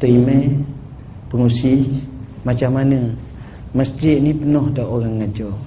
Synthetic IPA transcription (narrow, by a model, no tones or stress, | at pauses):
t̪əimɛ | pəŋusi | mat͡ʃamːanə | məsd͡ʒɪʔ̪̚nipənɔhdaʔoɾaŋːad͡ʒɔ